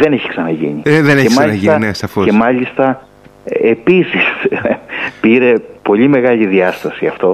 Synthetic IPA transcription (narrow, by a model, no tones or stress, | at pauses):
ðe̞neçi̥ksɐnɐʝḭɲiðeneçemmɐʎnsiɐnesɐfoemɐʎist̪ɐ | episis | piɾe̞po̞ʎime̞ɣɐʎiðiɐst̪ɐsiɐft̪o̞